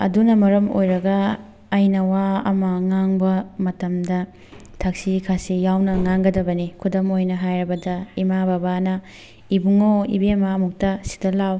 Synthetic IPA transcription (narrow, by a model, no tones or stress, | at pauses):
ɐ̰dunɐmɐɾɐmo̰jɾɐɡɐː | jnɐwaɐ̰mɐŋaŋbɐmɐtɐmdɐ | tʰak̚sikʰasijawnɐŋaŋɡɐdɐbɐnikʰudɐmojnɐɦajɾɐbɐdɐimababanɐ | ibuŋoḭbemamuk̚tɐsi̥dɐlaw